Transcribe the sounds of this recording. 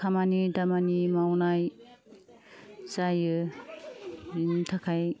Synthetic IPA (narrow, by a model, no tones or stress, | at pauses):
kʰamanidamanimawnaj | sajɯ | bintʰakʰaj